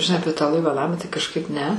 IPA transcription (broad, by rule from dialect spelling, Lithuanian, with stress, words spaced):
ʒʲɪˈnɐɪ ˈɑːpʲiɛ tɑː lˠɐɪʋɐ ˈnɑːmɑː tɐɪ kɐʃˈkɐɪp nʲɛ